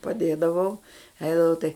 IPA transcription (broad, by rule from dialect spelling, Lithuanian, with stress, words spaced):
pɐˈdʲeːdɐʋɐʊ ˈɛɪdɐʋɐʊ tɐɪ